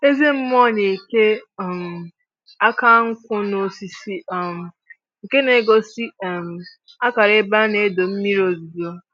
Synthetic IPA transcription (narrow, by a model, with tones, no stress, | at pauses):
e˦ze˦m̩˦m˦ɔ˦˨ɲe˨ke˦˨m̩˨ | a˦ka˦ŋ̩˦kʷʊ˦no˦si˨si˦˨m˨ | ŋ̩˨ke˦ne˨˦ɡo˦si˦˨m̩˨ | a˦ka˨ɾe˦ba˦ne˨˦do˨m̩˦mi˦ɾo˨zi˨do˦